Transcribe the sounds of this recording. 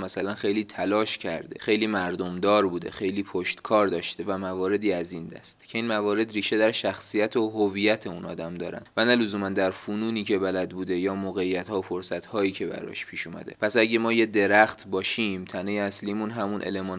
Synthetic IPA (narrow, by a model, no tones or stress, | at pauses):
mæsælænxe̞jliːt̪ʰælɒːʃcʰæ̰ɾd̪e̞̰xe̞jliːmæɾd̪omd̪ɒːɾbuːd̪ḛxe̞jliːpʰoʃt̪kʰɒːɾd̪ɒːʃt̪evæmævɒːɾe̞d̪iːæzind̪æ̰st̪cʰe̞iːnmævɒːɾe̞d̪ɾiːʃe̞d̪æɾʃæxsijæt̪ʰoɦovijæt̪ʰe̞uːnʔɒ̰ːd̪æmd̪ɒːɾæ̰nd̪vænæluzuːmænd̪æɾfuːnuːniːcʰe̞bælæd̪buːd̪e̞jɒːmoːɣejːæt̪hɒːfo̞ɾsæt̪hɒːiːcʰe̞bæ̰ɾɒ̰ʃpʰiːʃuːmæ̰d̪e̞̰pʰæsæɟe̞mɒːje̞d̪e̞ɾæxt̪ʰbɒːʃimt̪ʰænejeæsliːmunɦæmunʔḛlemɒːn